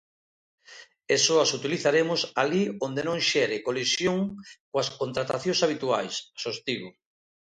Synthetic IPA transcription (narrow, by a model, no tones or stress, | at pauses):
esoasut̪iliθaɾemʊsaliond̪enõŋʃɛɾɪkolisjoŋkoaskont̪ɾat̪aθjõŋsaβ̞it̪ua̰jssost̪iβʊ